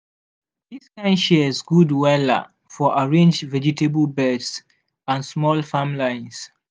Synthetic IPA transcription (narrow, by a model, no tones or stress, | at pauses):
ðiskãɪ̃nʃɛzɡudwɛlə̰ | fɔʔaɹẽnd͡ʒvɛd͡ʒitʰebəlbɜds | ãnsmɔlfãmlãɪ̃ns